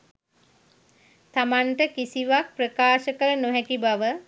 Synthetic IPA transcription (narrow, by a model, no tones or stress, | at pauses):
t̪amaɳʈəkisiʋak̚prəkaːʃəkələnoɦɛkibaʋə